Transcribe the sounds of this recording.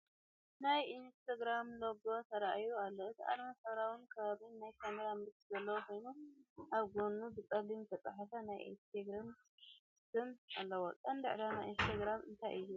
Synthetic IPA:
najinst̪ʰaɡɾamloɡo̞t̪ʰɐɾaʔjualːo̞ɨt̪ʰiʔa̰d̪mɐsɐβɾawinkʰɐβaβinajkʰamɐɾamɨt̪zɐlːɐwokʰo̞jnuʔaβɡonːubɨkʼɐlimt̪ʰɐt̪ʼa̰ħafanajḭnst̪ʰeɡɾam | sɨmalːɐwokʼɐnd̪ɨ̰ʕlanajinst̪ʰaɡɾamɨ̰nt̪ʰajʔɨjːu

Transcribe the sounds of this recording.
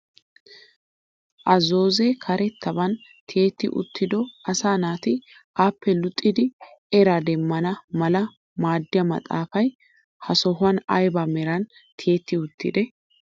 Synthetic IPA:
ʔɐzo̞ːzekʰɐɾɛt̪ːɐbɐnt̪ʰɪeːt̪ːɪ̰ʔʊ̰t̪ːɪd̪ɔɐsaːnaːt̪ɪ | ʔaːpːɛlʊt̪ʼːɪd̪ɪɛɾad̪ɛmːɐnɐmɐlɐ | maːd̪ːɪjɐmɐ̰t̪ʼa̰ːfɐj | hɐsɔɦʊɐnɐ̰jbɐmɛɾɐn | t̪ʰɪeːt̪ːɪʊt̪ːɪ̰d̪ɛ

